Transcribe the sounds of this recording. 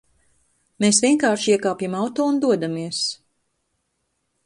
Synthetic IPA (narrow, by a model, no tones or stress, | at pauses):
meːsvʲiɛŋkaːɾʃiɛkaːpjamawt̪oːund̪uɔd̪amiɛs